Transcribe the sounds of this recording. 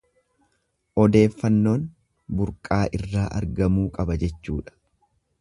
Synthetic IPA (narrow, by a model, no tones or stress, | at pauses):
ʔɔd̪e̞ːfːɐnːo̞ːn | bʊɾkʼaːʔɪrːaːʔɐ̰ɾɡɐmuːkʼɐbɐd͡ʒɛt͡ʃːṵːᶑɐ̥